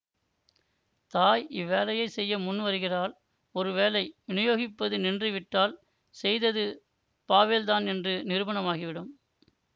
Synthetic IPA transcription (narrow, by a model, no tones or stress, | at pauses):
t̪aːjɪʋːeːlɐjɐɪsɛjːɐmʊnːʋɐɾɯɣɪraːl | ɔɾɯʋeːlɐɪʋɪnɯjoːɣɪpːɐðɯnɪndrɯʋɪʈːaːl | sɛjðɐðɯ | paːʋeːlðaːnɛndrɯnɪɾɯʋɐɳɐmaːɣɪʋɪɽɯm